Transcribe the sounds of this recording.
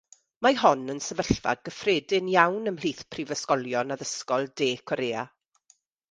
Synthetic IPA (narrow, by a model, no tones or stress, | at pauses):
mahɔnənsəvəɬva̰ɡəfreːdɪnjawnəml̥iːθpʰrivəskɔlˠjɔnaðəskɔlˠdeːkʰɔɾeːa̰